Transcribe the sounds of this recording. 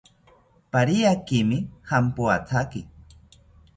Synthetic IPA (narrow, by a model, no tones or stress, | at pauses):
paɾiakimihampuat͡sʰaki